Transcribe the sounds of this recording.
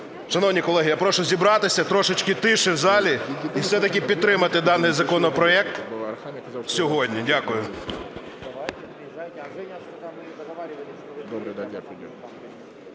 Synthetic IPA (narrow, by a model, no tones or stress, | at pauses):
ʃɐnɔwnʲikɔlˠɛɦʲijapɾɔʃʊzʲibɾɑt̪ɪsʲɐt̪ɾɔʃɪt͡ʃkɪt̪ɪʃɪwzɑlʲiiwsɛt̪ɐk̬ʲɪpʲid̪t̪ɾɪmɐt̪ɪd̪ɑnːɪjzɐkɔnɔpɾɔɛk̚t̪ | sʲɔɦɔdʲnʲidʲakʊjʊ | d̪